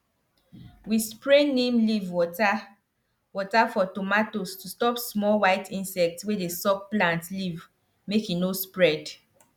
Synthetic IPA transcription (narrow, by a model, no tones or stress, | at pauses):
wispɹenẽmlivwɔta | wɔtafɔtomatostustɔpsmɔlwaɪtʰĩnsɛk̚tswedesɔk̚plãntliv | mekinospɹɛd